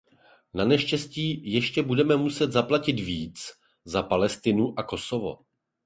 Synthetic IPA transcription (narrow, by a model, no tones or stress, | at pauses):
nanɛʃcɛsciːjɛʃcɛbudɛmɛmusɛt̪zaplacɪt̪viːt͡s | zapalɛst̪ɪnuʔako̞so̞vo̞̰